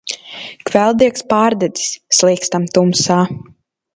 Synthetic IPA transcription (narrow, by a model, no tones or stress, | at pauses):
kvɛlˠd̪iɛkspaːɾd̪ɛd̪i̥sːlˠiɛkst̪amt̪umsaː